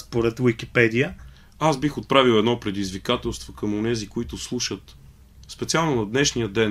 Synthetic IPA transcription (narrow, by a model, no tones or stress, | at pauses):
spoɾɛt̪vikipɛd̪iə | azbixot̪̚pɾaviwˠɛd̪nɔpɾɛd̪izvikat̪ɛlˠst̪vokəmonɛzikoit̪ʊslˠuʃət̪ | spɛt̪sialˠnʊnɐd̪nɛʃnijəd̪ɛn